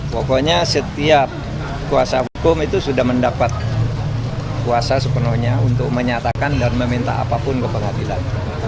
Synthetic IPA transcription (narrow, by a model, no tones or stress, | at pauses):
pokoɲasət̪iap̚ | kuasaɦukʊmit̪usudahməndapat̪̚ | kuasasəpənuhɲaunt̪ʊk̚məɲat̪akandanməmint̪a̰a̰papʊnkəpəŋadila̰n